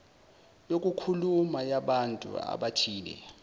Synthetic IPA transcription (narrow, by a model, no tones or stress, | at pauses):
jok̬ʼukʰulumajaɓantʼṵa̰ɓatʰiːlɛ̰